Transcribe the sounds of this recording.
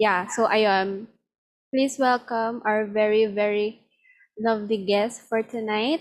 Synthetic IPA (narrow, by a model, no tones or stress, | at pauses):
jasoʔajam | pliswɛlkʌ̃maɹvɛɹivɛɹi | lʌvliɡɛstfɔɹt̪unaɪt̪̚